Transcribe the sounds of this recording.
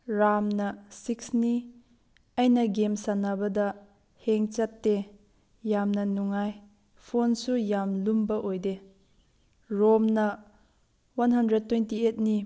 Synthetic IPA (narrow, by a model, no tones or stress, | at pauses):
ɾamnɐsiksni | ɐjnɐɡemsanabɐdɐ | heŋt͡ʃatːe | jamnɐnuŋaj | pʰonsujamlumbɐʔojde | ɾomnɐ | wanhɐndɾed̚tːwejntiet̚ni